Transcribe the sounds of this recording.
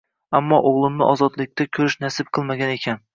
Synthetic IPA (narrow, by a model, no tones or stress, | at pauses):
amːɒʔoʁlˠɪmnɪ̰ʔɒzɒd̪lɪk̚ʲt̪ʰakʲʰɵɾɪʃnasɪb̚qʰɨlˠmaɡʲane̞kʲʰan